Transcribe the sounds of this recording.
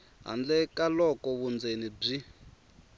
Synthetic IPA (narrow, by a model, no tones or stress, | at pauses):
ɦa̰nd͡ɮɛkalɔkɔβund͡zenib͡ʐi